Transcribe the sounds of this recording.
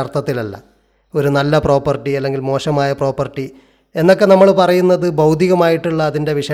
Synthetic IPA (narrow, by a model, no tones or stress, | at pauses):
ɐrt̪ːɐt̪ːilɐlːɐ̰ | o̞ɾunɐlːɐpro̞ːpːɐrʈːiɐlːe̞ŋɡilmo̞ːɕɐmaːjɐpro̞ːpːɐrʈːi | e̞nːo̞k̬ːe̞nɐmːɐɭpɐrɐjunːɐðɨbɐwd̪ʱiɣɐmaːjiʈːuɭːɐːðinde̞ʋiʂɐ